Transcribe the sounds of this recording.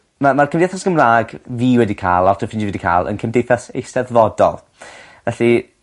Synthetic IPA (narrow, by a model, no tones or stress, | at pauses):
mamarkʰəmdaθasɡ̥əmraːɡviːwɛdikʰa̰ːlˠɔrtʰəfɪnd͡ʒivwɛdikʰa̰ːlˠə̰nkʰəmdejθasḛjstɛðvɔdɔ̰lˠ | vɛɬi